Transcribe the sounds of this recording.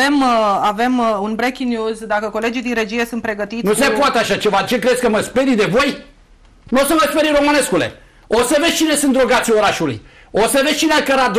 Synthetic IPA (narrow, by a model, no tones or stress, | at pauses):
e̞mave̞munbɾekʲinjuzd̪akəko̞le̞d͡ʒijd̪inɾe̞d͡ʒije̞sunt̪pɾe̞ɡət̪it̪nussepoat̪eaʃat͡ʃe̞vad̪it͡ʃekɾed̪sʲkəməspe̞ɾid̪evo̞j | nosəməspeɾiɾo̞mɨne̞skule̞̰ | osəve̞d̪sʲt͡ʃine̞sɨnt̪d̪ɾoɡat̪sʲio̞ɾaʃulṵj | osəvesʲt͡ʃineakəɾad̪